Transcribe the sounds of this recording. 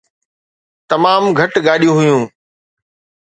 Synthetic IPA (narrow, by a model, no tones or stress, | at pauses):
t̪ɐmaːmɡʱɐʈɡaːɗijũɦʊjũː